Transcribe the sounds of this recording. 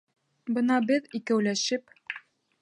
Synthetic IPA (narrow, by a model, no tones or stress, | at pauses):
bɤ̆nɑbɘðikæwlæʃɘp